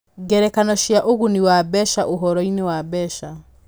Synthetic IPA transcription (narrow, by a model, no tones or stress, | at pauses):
ɡɛɾɛkanɔʃjaʔoɣuniwabɛʃaʔoɦɔɾɔinewabɛʃa